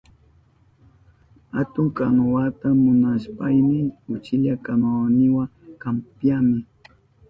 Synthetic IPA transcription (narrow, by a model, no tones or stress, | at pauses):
hat̪ʊŋkaŋwat̪amʊnaspajmɪʊt͡ʃɪʎakamawnɪwakampjamɪ